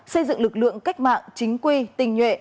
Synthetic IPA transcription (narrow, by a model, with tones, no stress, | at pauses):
sə˧jzɨ̰˧˨ŋlɨ˨˩k̚lɨ̰˧˨əŋka˦˥jk̟̚ma̰ː˧˨ŋt͡ɕï˨˦ŋ̟kwi˧˩t̪ï˨˩ŋ̟hwḛ˧˨